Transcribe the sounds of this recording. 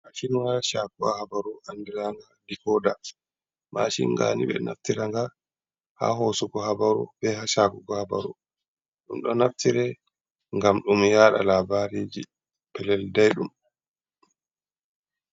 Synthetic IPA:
maʃinwaɾaʃaːkuahabaɾuʔandiɾaŋɡadifɔda | ma̰ʃḭnɡa̰nḭbɛ̰na̰ftiɾaŋɡa | ha̰ɦosuɡɔhabaɾṵbɛhaʃaːkuɡɔhaba̰ɾṵ | ɗumɗɔnaftiɾɛ | ŋɡamɗumjaɗa̰labaɾiːd͡ʒi | pɛlɛldajɗum

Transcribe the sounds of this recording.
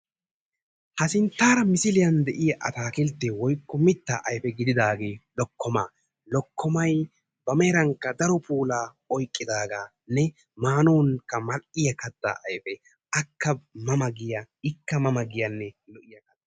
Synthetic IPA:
hɐsɪnt̪ːaːɾɐmɪsɪlɪjɐnd̪ɛʔɪjɐʔɐt̪aːkɪlt̪ːɛwɔjkːɔmɪt̪ːaʔɐjfɛɡɪd̪ɪd̪aːɡeːlɔkːɔma̰ː | lɔkʰːɔmɐj | bɐmɛːɾɐŋkːɐd̪ɐɾɔpʰuːlaː | ɔjkʼːɪd̪aːɡaː | nɛ | maːnuːŋkːɐmɐlɪjɐkɐd̪ːa̰ʔɐjfɛ | ɐkːɐmɐmɐɡɪjɐ | ɪkːɐmɐmɐɡɪjɐnːɛlɔʔɪjɐkɐd̪ɐ

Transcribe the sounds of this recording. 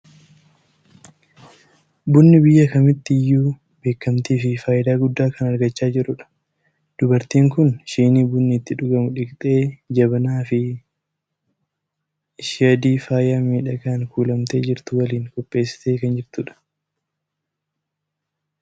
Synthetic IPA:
bʊnːɪbɪjːɐkɐmɪt̪ːɪɪjːuː | b̥e̞ːkːɐmt̪iːfɪfaːʔɪd̪aːɡʊd̪ːaːkɐnɐɾɡɐt͡ʃːaːd͡ʒɪɾʊᶑɐ̥ | d̪̥ʊbɐɾt̪iːŋkʊnʃiːniːbʊnːɪːt̪ːɪᶑʊɡɐmʊᶑɪkt̪ʼe̞ːd͡ʒɐbɐnaːfɪ | ʃɪjɐd̪iːfaːjɪjaːmiːᶑɐɡaːŋkuːlɐmt̪e̞ːd͡ʒɪɾt̪ʊwɐliːŋkɔpʼːe̞ːsːɪ̥t̪e̞ːkɐnd͡ʒɪɾt̪ʊᶑɐ̥

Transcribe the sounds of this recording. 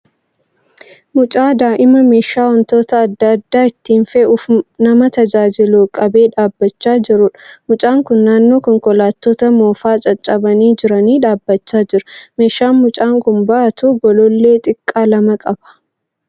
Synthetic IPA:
mʊt͡ʃʼaːd̪aːʔɪmɐme̞ːʃaːwɐnt̪o̞ːt̪ɐːd̪ːɐːd̪ːaːɪt̪ːiːnfeːʊfnɐmɐt̪ɐd͡ʒaːd͡ʒɪluːkʼɐbe̞ːᶑaːbːɐt͡ʃːaːd͡ʒɪɾʊᶑmʊt͡ʃʼaːŋkʊnːaːnːo̞ːkɔŋkɔlaːt̪ːoːt̪ɐmo̞ːfaːt͡ʃʼɐt͡ʃʼɐbɐniːd͡ʒɪɾɐniːᶑaːbːɐt͡ʃːaːd͡ʒɪɾʊme̞ːʃaːnmʊt͡ʃʼaːŋkʊnbɐʔɐt̪uːɡɔlɔlːe̞ːt̪ʼɪkʼːaːlɐmɐkʼɐbɐ̥

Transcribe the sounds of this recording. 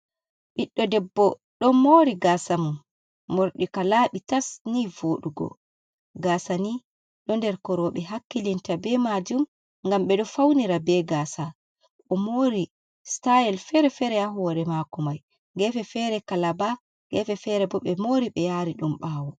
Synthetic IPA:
ɓiɗːɔdɛbːɔ | ɗɔnmoːɾiɡasamun | moɾɗikalaːɓitasnivoːɗuɡɔ̰ | ɡasani | ɗɔndɛɾkɔɾɔɓɛhakːilintabɛmad͡ʒum | ŋɡamɓɛɗɔfawniɾabɛɡaːsa | ʔɔmoːɾi | stajɛlfɛɾɛfɛɾɛjaɦuwɔɾɛmakɔmaj | ɡɛfɛfɛɾɛkalaba | ŋɡɛfɛfɛɾɛbɔɓɛmoɾiɓɛjaɾiɗumɓaːwɔ

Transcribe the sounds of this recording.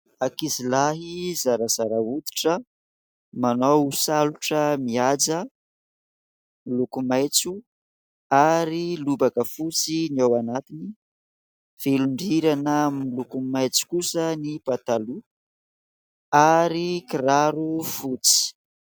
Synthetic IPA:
akizilaɦizaɾaz̥aɾaud̪i̥ʈ͡ʂə | manowusaluʈ͡ʂəmiad͡zə | milukumajt͡su | aɾilubakəfut͡siniawanat̪ini | v̥eluɳɖ͡ʐiɾanəmilukumajt͡su̥kusənipat̪alu | aɾikiɾaɾufut͡si̥

